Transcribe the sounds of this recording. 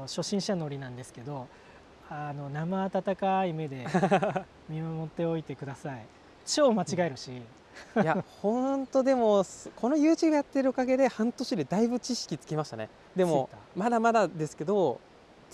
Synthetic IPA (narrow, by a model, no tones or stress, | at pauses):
ɕo̞ɕĩɰ̃ɕano̞ɾʲinãnd̪e̞sɨ̥ke̞d̪o̞ | ano̞namaːt̪at̪akaime̞d̪e̞ | mʲimamo̞t̪ːe̞o̞it̪e̞kɯ̟d̪asai | t͡ɕo̞ːmat͡ɕiɡaeɾɯ̟ɕi | jahõ̞nt̪o̞d̪e̞mo̞skʰo̞no̞jɯ̟ːt͡ɕiɡajat̪ːe̞ɾɯ̟okaɡe̞d̪e̞hãnt̪o̞ɕid̪e̞d̪aibɯ̟t͡ɕiɕi̥kʲit͡sɨ̥ke̞maɕi̥t̪a̰ne̞̰ | d̪e̞mo̞mad̪amad̪ad̪e̞sɨ̥ke̞d̪o̞